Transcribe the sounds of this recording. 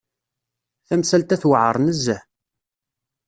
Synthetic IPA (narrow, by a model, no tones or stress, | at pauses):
θæmsælt̪æθwəʕə̰ɾˤnəzːə